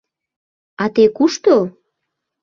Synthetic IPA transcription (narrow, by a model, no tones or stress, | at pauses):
ɑt̪ekuʃt̪o